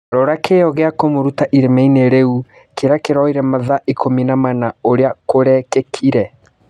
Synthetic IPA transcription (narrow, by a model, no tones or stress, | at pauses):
ɾɔɾakʰejɔɣeakomoɾutaʔiɾemɛineɾeu | keɾakeɾɔiɾɛmaðaʔikominamanaoɾeakoɾɛkɛkʰiɾɛ